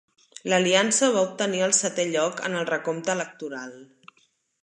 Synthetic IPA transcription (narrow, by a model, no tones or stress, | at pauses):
ləliansəβ̞aup̚t̪əniəlˠsət̪ɛʎɔkə̰nəlˠrəkomt̪ələk̚t̪uɾalˠ